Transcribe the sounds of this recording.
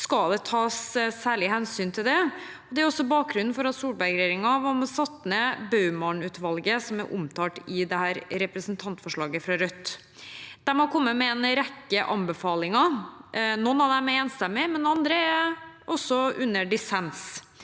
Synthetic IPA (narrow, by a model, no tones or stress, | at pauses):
skɑd̪ɛt̪ʰɑːssæːɭɪhɛnsyːnt̪ʰɪld̪ɛ | ɔd̪ɛæɾɔsɔbɑːk̚ɡɾʉnːn̩fɔɾɑt̪suːɭbæɾɡɾɛjeːɾɪŋɑʋɑmɔsɑt̪ːnəbɑʉmɑɳʉːt̪ʋɑlɡəsɔmæɾʔʊmt̪ʰɑːʈɪd̪ɛhæːɾɾɛpɾəsnt̪ʰɑnt̪fɔʂɭɑːɡəfɾɑɾœt̪ː | d̪̥ɛmɑkʰɔmːəmɛɛnɾɛkːəʔɑ̰mbəfɑːlɪŋɑ | nɔnːɑd̪ɛmɛeːnst̪ɛmːɪmɛnːɑnd̪ɾəæɔsːɔʉnːəɖɪsɛns